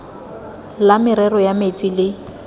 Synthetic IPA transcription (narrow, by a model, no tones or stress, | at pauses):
lamɪɾɛrɔjamet͡sʼilɪ